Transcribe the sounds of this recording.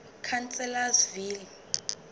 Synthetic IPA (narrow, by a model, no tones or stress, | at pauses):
kʰant͡sʼɛlazviːli